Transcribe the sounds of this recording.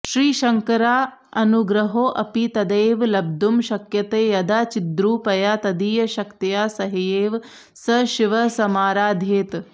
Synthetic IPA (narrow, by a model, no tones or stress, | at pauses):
ʃɾiːʃɐŋkɐɾaː | ɐnuɡɾɐɦoːʔɐpit̪ɐd̪eːʋlɐb̚d̪ʱumʃɐkjɐt̪eːjɐd̪aːt͡ʃid̪ɾuːpɐjaːt̪ɐd̪iːjɐʃɐkt̪ijaːsɐɦijeːʋ | sɐʃiʋɐsɐmaːɾaːd̪ʱeːt̪